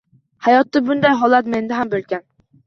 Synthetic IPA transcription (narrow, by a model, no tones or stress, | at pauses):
hæjɑt̪ːɑbund̪ɑjɦɑlˠːɑt̪mend̪ɪɦɛmbølkʲɛn